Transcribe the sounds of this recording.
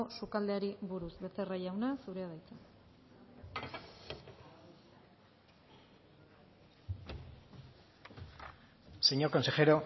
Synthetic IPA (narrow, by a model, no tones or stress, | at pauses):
osukald̪e̞aɾiβuɾusβe̞t͡se̞raʝawnasuɾeað̞ajt͡sen | seɲoko̞nse̞xe̞ɾo̞